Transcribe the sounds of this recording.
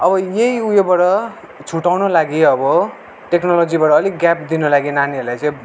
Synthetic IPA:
ʌbʌjeiujobaʈʌ | t͡sʰuʈawnolaɡiʌbʌ | ʈeknolod͡zibaʈʌːliɡap̚d̪inolaɡinanielajt͡sʌ̃

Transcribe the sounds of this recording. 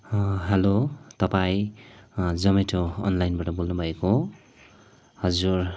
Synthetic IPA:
ɦelot̪ʌpaĩ | d͡zʌmeʈʰoʌ̰nlajnbaʈʌbolnubʱʌeko | hʌd͡zur

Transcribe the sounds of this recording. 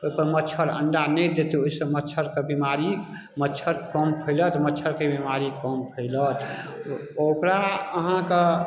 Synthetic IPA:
oipəɾmətːt͡ʃʰəɾə̰ɳɖanɛjd̪et̪eoisəmətːt͡ʃʰəɾkebimaɾi | mətːt͡ʃʰəɾkəmpʰəɪlət̪mətːt͡ʃʰəɾkebimaɾikəmpʰəɪlət̪ | okɾaəɦãke

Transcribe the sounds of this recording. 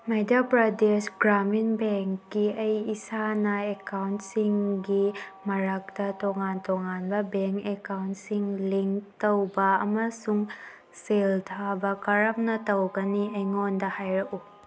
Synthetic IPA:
medapɾɐdesɡɾaminbeŋkːiɐjisanɐekawntsiŋɡimɐɾak̚tɐtoŋantoŋanbɐbeŋkekawntsiŋliŋk̚tɐwbɐɐmɐsuŋ | seltʰabɐkɐɾɐm̚nɐtɐwɡɐniɐjŋondɐhajɾɐku

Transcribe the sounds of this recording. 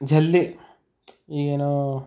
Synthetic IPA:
d͡ʒʱɐlːi | iːeːnoː

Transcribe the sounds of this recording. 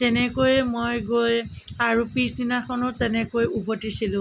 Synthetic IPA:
tɛnɛkojɛmojɡoj | aɹupĩsdinakʰɔnɔtɛnɛkojubɔtisilʊ̃

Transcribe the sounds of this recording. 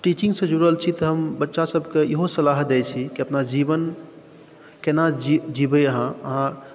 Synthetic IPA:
ʈit͡ʃĩŋɡsə̃d͡ʒuɽəlt͡ʃʰit̪əɦəmbətːʃasəbʱkeiɦosəlaɦd̪ɛjt͡ʃʰikiəpnad͡ʒibən | kenad͡ʒid͡ʒibəəɦãəɦã

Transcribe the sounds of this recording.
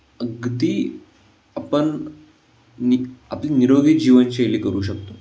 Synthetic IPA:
əɡd̪iː | apəɳ | nia̰pliːniɾoɡid͡ʑiʋənt͡ɕieliːkəɾuːɕ̬əkt̪o

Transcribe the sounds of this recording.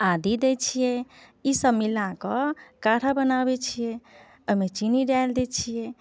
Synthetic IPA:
ad̪id̪et͡ʃʰijɛisəbmilakɔkaʈʰabənabet͡ʃʰije | əmet͡ʃiniɖajld̪et͡ʃʰije

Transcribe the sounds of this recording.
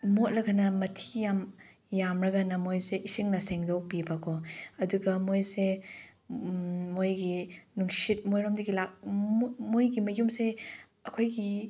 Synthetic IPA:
mot̚lɐɡanɐmɐtʰi̥jam | jamɾɐɡanɐmojseʔisiŋnɐseŋdok̚bibakʰɔɐduɡɐmojse | mojɡinuŋsit̚mojɾomdiɡilak̚mojɡimɐjumse | ɐkʰojɡi

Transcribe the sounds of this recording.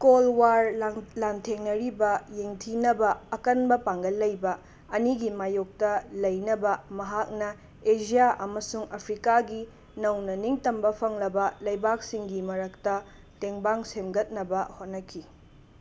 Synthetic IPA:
kolwaɾlantʰeŋnɐɾibɐjeŋtʰinɐbɐɐkɐnbɐpaŋɡɐlːɐjbɐ | ɐniɡimajok̚tɐlɐjnɐbɐmɐɦak̚nɐ | ed͡ʒijaʔɐmɐsuŋɐpʰɾikaɡi | nɐwnɐniŋtɐmbɐpʰɐŋlɐbɐlɐjbak̚siŋɡimɐɾɐk̚tɐ | teŋbaŋsemɡɐt̚nɐbɐhot̚nɐkʰi

